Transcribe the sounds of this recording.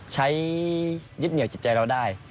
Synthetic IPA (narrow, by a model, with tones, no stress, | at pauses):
t͡ɕʰa˧˥j | zt̚ni˨˩˦t͡ɕi˨˩t͡ɕaː˧lɔ˧˥wɗaː˧˥˩j